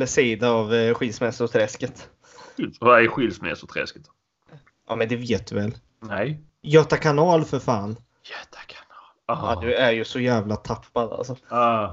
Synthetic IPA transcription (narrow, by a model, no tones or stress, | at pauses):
əsiːd̪aːvɧilsmɛsʊt̪ʰɾɛskət̪ | vaɛɧilsmɛ̰sʊt̪ʰɾɛ̰skt̪ | ʔɑ̰ːmɛnd̪ɛveːt̪̚d̪ɵvɛl | nɛj | jœːt̪akʰanɑːlfœɾfaːn | jøt̪ʰḁkʰanɑːla̰d̪ɵæɾjɵsɔjæːvlat̪ʰapːad̪a̰lsɔɑ